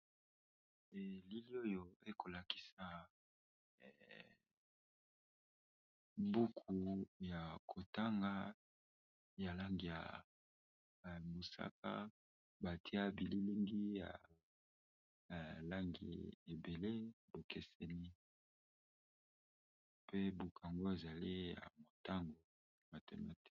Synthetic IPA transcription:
e˨li˦li˦o˦jo˨e˦ko˨la˨ki̥˦sa˦˨ | bu˦kʰu˨ja˨kʰo˨ta˦ŋɡa˦ | ja˨la˦ŋɡi˨ja̰˨ | mo˨sa̰˦k̚a̰˦ | ba˨tʰi˦a˦bi˨li˦li˦ŋɡi˦ja̰˨ | la˦ŋɡḭ˨e˨be˨le˦bo˨kɛ˦sɛ˦ni˦ | pʰe˦bu˨ku˨a˨ŋɡo˦e˨za˨li˦ja̰˨mo˨ta˦ŋɡo˨ | ma˨tḛ˨ma̰˦ti̥˦

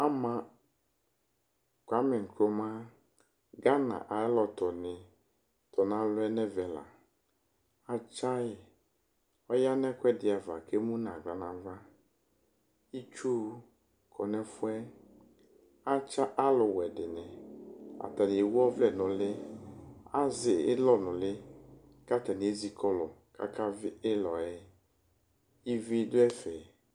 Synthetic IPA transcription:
a˦mã˦ | kʷa˦mɛ˨ŋ̩˨ko˦mã˦ | ɡa˦nã̰˨ʔa˨ɛ˦lɔ˨t̪ɔ˨nɪ˨ | t̪ɔ˨nã˦lʊ˦ɛ˦nɛ̃˦vɛ˨la̰˨ | a˨t͡ʃa˦jɛ˨ | ɔ˦ja˦nɛ̃˦kʷɛ˦dɪ˨a˨va˨ke˦mũ˦nã˨ɡa˨nã˨˦va˦ | i˦t͡ʃu˦ | kʰɔ˨nɛ̃˦fʊ˦ɛ˦ | a˦t͡ʃa˦ʔa˦lʊ˨wɛ˨dɪ˨nɛ̃˨a̰˨t̪a˨n˨e˨wɔ˦vlɛ˨nʊ̃˨lɪ˦ | a˦zɪ˨ɪ̰˦lɔ˦nʊ̃˨lɪ˦ | ka˦t̪a˨ni˨e˦zi˨kɔ˦lɔ˨ka̰˦ka˦vɪ˦ʔɪ˦lɔ˨ɛ˦ | i˦vi˦dʊ˦ɛ˦fɛ˨

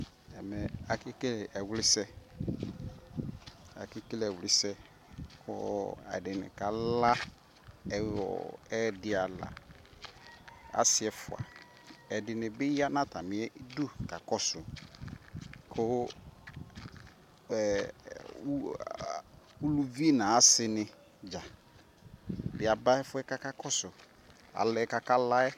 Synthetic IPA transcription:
ɛ˨mɛ˨a˨kɪ˦ke˦lʔɛ˨wlɪ˦sɛ˦ | a̰˨kɪ˦ke˦lɛ˨wlɪ˦sɛ˦ | kʰʊ̰˦ɛ̰˨dɪ˨nɪ̰˨ka˨la˦ | ɛ˦ɔ̰˨ɛ˦dɪ˨a˨la̰˨ | a̰˦sɪ˨ɛ˨fʊ̰˨a̰˨ | ɛ˨dɪ˨nɪ̃˨bɪ˦ja˦nã˦tʰa˨mɪ̃˨ɛ˦du˦ka˨kɔ˦sʊ˨ | kʰʊ˦˨˦ | u˦lu˦vi˦nã˨a˦sɪ˨nɪ̃˨ | d͡ʒa˨ | bɪ˨a˨ba˦ɛ˦fʊ˦ɛ˦ka˦ka˦kɔ˦sʊ˨ | a̰˨lɛ˨˦˨ka˦ka˦la˦ɛ˦

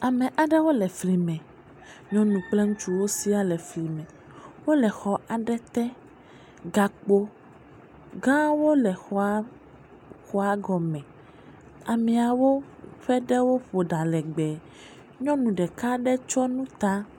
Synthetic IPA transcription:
a˨mɛ̃˨ʔa˨ɖɛ˦wo˦lɛ˨fli˨mɛ̃˨ | ɲɔ̃˦nũ˨k͡plɛ˦ŋũ˦t͡ʃu˦wo˦si˦a˦lɛ˨fli˨mɛ̃˨ | wo˦lɛ˨xɔ˨ʔa˨ɖɛ˦t̪ɛ˦ | ɡa˨k͡po˦ | ɡã˦wo˦lɛ˨xɔ˦ | xɔ˦a˦ɡɔ˨mɛ̃˨ | a˨mɛ̃˨a˨wo˦ɸɛ˦ɖɛ˦wo˦ɸo˨ɖa˨lɛ˨ɡ͡bɛ˨ | ɲɔ̃˦nũ˨ɖɛ˨ka˦ɖɛ˦t͡ʃɔ˦nũ˦t̪a˦

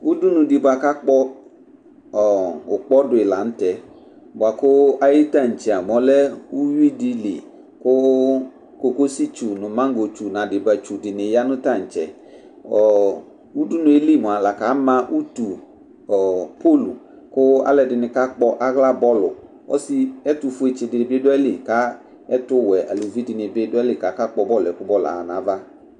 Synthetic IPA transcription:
u˦du˦nʊ̃˧di˨ba˨ka˦k͡pɔ˦˨ | ʊ˨k͡pɔ˦dʊ˨ɪ˨la˨n̩˦tɛ˨ | bʊ˨a˨kʊ˦a˦jɪ˦ta˦˨n̩˨t͡ʃɛ˨a˨m˨ɔ˨˦lɛ˦u˦ji˦di˧lḭ˨ | kʊ˦ | ko˨ko˦si˦t͡ʃu˨nʊ˨mã˦ŋ˦ɡo˨t͡ʃu˨nã˨dɪ˨ba˨t͡ʃu˨dɪ˨nɪ˨ja˦nʊ̃˦ta˦˨n̩˨t͡ʃɛ̰˨ | ɔ˨ | u˦dʊ˦nʊ̃˦e˦li˦˨mʊ̃˨a˨la˨ka˨˦mã˦ʔu˦tu˨ | ɔ˨po˦˨lṵ˨ | kʊ˦a̰˦lɛ˨dɪ˨nɪ˨ka˦k͡pɔ˦ʔa˦ɣla˦bɔ˦lʊ˨ | ɔ̰˦si˦ɛ˦tʊ˨fʊ˦e˨t͡ʃɪ˨dɪ˨bɪ˦dʊ˦ɛ˦lɪ˨ka˨˦ | ɛ˦tʊ˦wɛ˨ʔa̰˨lu˨vi˦dɪ˨nɪ˨bɪ˦dʊ˦ɛ˦lɪ˦˨ka˨˦ka˦k͡pɔ˦bɔ˦lɛ˨kʊ˦bɔ˦la̰˨nã˨˦va˦

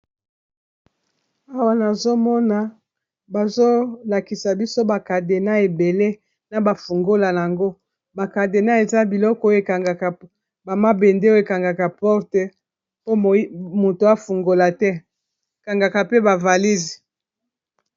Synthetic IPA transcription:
a˦wa˨na˨zo˦mɔ˦na˨ | ba˨zo˦la˨ki˨sa˨bi˦so˦ba˨ka˨de˨na˦e˨be˨le˦ | na˨ba˨fu˨ŋɡo˦la˨na˨a˨ŋɡo˦ | ba˨ka˨de˨na˦e˨za˦bi˨lɔ˦kɔ˦o˦e˨ka˨ŋɡa˨ka˨ | ba˨ma˦be˨nde˦o˦e˨ka˨ŋɡa˨ka˨pɔ˦ʁtɛ˦ | po˦˨˦mo˨to˨a˦fu˨ŋɡo˨la˨tɛ˦˨ | ka˨ŋɡa˨ka˨pe˦ba˨va˨li˦zi˨

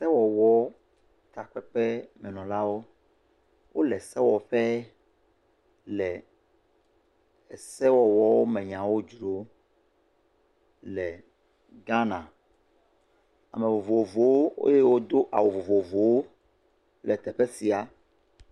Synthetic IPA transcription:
sɛ˦wɔ˨wɔ˦ | t̪a˨k͡pɛ˦k͡pɛ˦mɛ̃˨nɔ̃˨la˦wo˦ | wʔo˦lɛ˨sɛ˦wɔ˨ɸɛ˦ | lɛ˨ | ɛ˨sɛ˦wɔ˨wɔ˦wo˦mɛ̃˨ɲã˨wo˦d͡ʒɾo˨ | lɛ˨ | ɡã˦nã̰˨ | a̰˨me˨vo˨vo˨o˨vo˨wo˦o̰˦je˦wo˦d̪o˦ʔa̰˨wo˨vo˨vo˨vo˨wo˦ | lɛ˨t̪ɛ˨ɸɛ˦si˨a˨

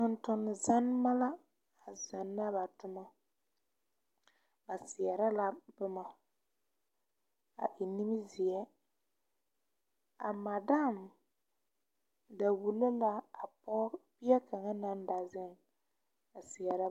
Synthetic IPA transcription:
ʊ˨n˦tʊ˨n˨za˦n˦ma˦la˦ | a˨za˨nːa˦ba˨tʊ˦ma˦ | ba˨sɪ˨ɛ˨ɾa˦la˦bʊ˦ma˨ | a̰˨ʔi˨ni˦mi˦zɪ˨jɛ˦ | a˨ma˨da˦˨m | da˨wu˨lo˦la˦a˨pɔ˦pi˦ɛ˦ka˨ŋa˦na˦n˦da˨zɪ˦ŋ | a˨sɪ˨ɛ˨ɾa˦

